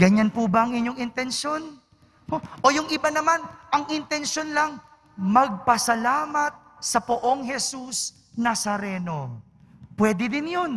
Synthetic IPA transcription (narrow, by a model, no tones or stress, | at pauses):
ɡɐɲanpubɐɐŋʔɪɲɲo̞ŋɪnt̪ɛnʃjo̞n | oʔojʊŋɪbanɐmanʔɐŋʔɪnt̪ɛnʃo̞nlɐŋ | mɐɡ̚pɐsɐlaːmɐt̪̚sɐpoʔo̞ŋɦɛsus | nɐsɐɾɛːno̞ | pwɛd̪ɪd̪ɪnjon